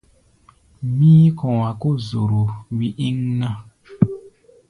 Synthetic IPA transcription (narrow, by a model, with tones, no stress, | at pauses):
mĩ˦kɔ̃˨wa˨ko˦˨zo˨ɾo˨wi˦ʔĩ˦ŋnã˦˨